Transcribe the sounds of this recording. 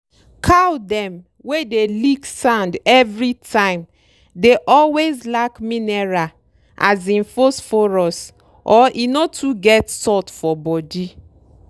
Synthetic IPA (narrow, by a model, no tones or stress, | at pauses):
kʰawdɛ̃m | wedeliksãndɛvɹitʰãɪ̃m | deʔɔlwezlakmĩnɛɹa | ʔazĩnfosfɔɹɔs | ʔɔʔinotʰuɡɛtsɔtfɔbɔdi